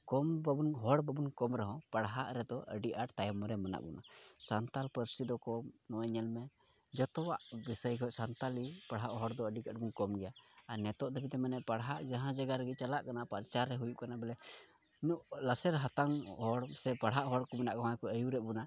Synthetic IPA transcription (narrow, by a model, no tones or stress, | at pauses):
kɔmbəbunɦɔɽbəbunkɔmɾɛɦɔ̃paɽɦaʔɾɛd̪ɔʔə̰ɖiʔaʈt̪ajmɔɾɛmana̰ʔbṵnasant̪alpəɾsid̪ɔkɔmnɔɛɲɛlmɛ | d͡ʒɔt̪ɔwaʔbisəjkɔʔsant̪alipaɽɦaʔɦɔɽd̪ɔəɖikəʈbunkɔmɡɛjaanɛt̪ɔʔd̪əbit̪ɛmanɛpaɽɦaʔd͡ʒaɦãd͡ʒaɡaɾɛɡɛt͡ʃalaʔkanapaɾt͡ʃaɾːɛɦujuʔkanabɛlɛ | nuʔlasɛɾɦat̪aŋɦɔɽsɛpaɽɦaʔɦɔɽkɔmanaʔkɔɦɔ̃jkɔəjuɾɛʔbuna